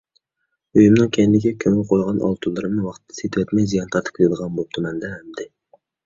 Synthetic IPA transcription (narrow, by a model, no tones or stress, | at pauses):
øjymnɨŋkʲʰenːɪkʲɛkʲʰøŋɛlqʰojʁɑnʔɑ̰lˠt̪ʰulˠːɨɾɨmnɨwɑχt̪ʰːɛ̥set̪ʰɪwɛt̪mɛjzijɑnt̪ʰɑɾt̪ɨ̥p̚kʰɨd̪əʁɑnbop̚t̪ʰʊmɛnd̪ɛhɛmd̪ɪ